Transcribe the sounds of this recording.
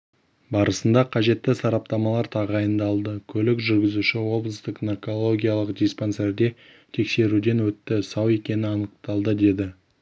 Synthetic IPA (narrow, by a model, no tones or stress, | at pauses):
bɑɾəsənd̪ɑqʰɑʒe̞t̪ːɪsɑɾɑp̚t̪ɑmɑlˠɑɾt̪ʰɑʁəɑjənd̪ɑlˠd̪əkʲʰɵlɪkʒʏɾɡʲɪzuʃɪwo̞blˠəst̪əqnarko̞lˠo̞ɡʲijalˠəqd̪ʲispo̞nse̞ɾd̪e̞ | t̪ʰe̞kse̞ɾud̪e̞nwɵt̪ːɪsɑwe̞kʲe̞nɪɑnəq̚t̪ɑlˠd̪əd̪e̞d̪ɪ